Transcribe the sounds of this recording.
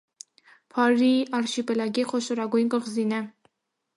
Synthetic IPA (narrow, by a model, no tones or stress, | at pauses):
pʰɑɾiɑɾʃipɛlɑɡiχɔʃɔɾɑɡujnkʼəχzinɛ